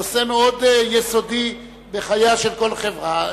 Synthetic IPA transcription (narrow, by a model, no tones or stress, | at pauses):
osenod̪jeso̞d̪i | beχajaʃelko̞lχevʁa